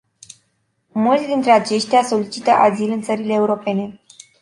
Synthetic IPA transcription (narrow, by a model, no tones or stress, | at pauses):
mult̪ʲd̪int̪ɾe̞at͡ʃe̞ʃt̪easo̞lit͡ʃit̪əʔazilɨnt̪səɾile̞ːuɾo̞pe̞ne̞